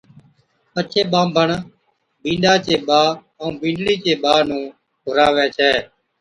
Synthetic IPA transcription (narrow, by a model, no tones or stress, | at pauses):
pət͡ʃʰeːɓãːmbʱəɳ | bĩːnɖaːt͡ʃeːɓãː | bĩːɳɖɽiːt͡ʃeːɓaːnũː | kʊɾaːʋjaːt͡ʃʰɛː